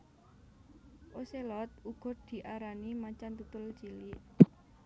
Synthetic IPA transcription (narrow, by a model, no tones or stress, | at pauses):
ʔoselɔt̪̚uɡ̥ɔ̤d̪̥i̤ʔaɾanimat͡ʃant̪ut̪ʊlt͡ʃiliʔ